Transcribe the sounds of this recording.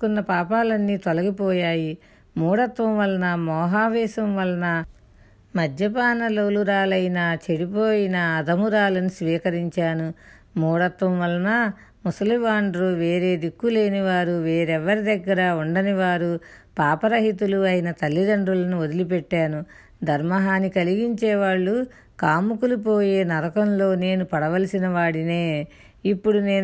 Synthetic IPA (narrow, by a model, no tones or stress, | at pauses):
kunːɐpaːpaːlɐnːiːt̪olɐɡipɔːjaːji | muːɽɐt̪ʋɐmʋɐlɐnɐmɔːɦaːʋɛːsɐmʋɐlɐnɐ | mɐd̪ʱjɐpaːnɐloːluɾaːlɐjinat͡ʃeɽipoːjinɐːd̪ɐmuɾaːlɐnisʋiːkɐɾiɲt͡ʃaːnu | muːɽɐt̪ʋɐmʋɐlɐnɐ | musɐliʋaːɳɖɾuʋe̞ːɾe̞ːd̪ikːule̞ːniʋaːɾuʋeːɾɛʋːɐɾid̪ɐɡːɐɾɐuɳɖɐniʋaːɾu | paːpɐɾɐɦit̪uluɐjnɐt̪ɐlːid̪ɐɳɖulɐnuod̪ilip̬ɛʈːaːnu | d̪ʱɐɾmɐɦaːnikɐliɡiɲt͡ʃɛːʋaːɭːu | kaːmukulup̬oːjeːnɐɾɐkɐmlo̞ːne̞ːnupɐɽɐʋɐlɐsinɐʋaːɽine̞ː | ipːuɽune̞ː